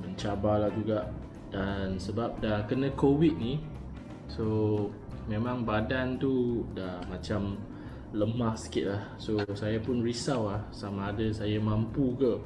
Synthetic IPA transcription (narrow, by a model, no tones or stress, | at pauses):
məɲt͡ʃabalahd͡ʒuɡaʔ | d̥ansəbap̚dahkənə̃kowit̪̚ni | so | mẽmãŋbadant̪udahmat͡ʃam | ləmahsə̥kit̪̚lahsosajapʊnrisawlahsamaːdəsajamãmpukə